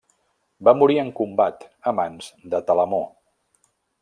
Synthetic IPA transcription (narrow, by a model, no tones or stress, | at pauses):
bamuɾiəŋkumbat̪əmanzd̪ət̪ələmo